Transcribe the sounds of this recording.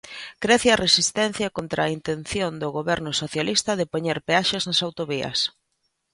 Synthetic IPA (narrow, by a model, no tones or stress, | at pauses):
kɾɛθjɐresist̪ɛn̟θjɐkont̪ɾaːint̪enθjond̪ʊɣoβɛɾnʊsoθjalist̪ɐðɪpoɲeɾpeaʃeznasawt̪oβiɐ̰s